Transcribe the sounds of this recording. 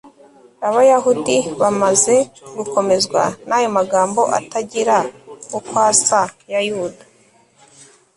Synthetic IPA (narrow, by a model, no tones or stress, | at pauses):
aβajaɦudiβamaze̞ɡuko̞me̞zɡwa̰najo̞maɡaːmbo̞ʔa̰taɟiɾaukwaːsajajudḁ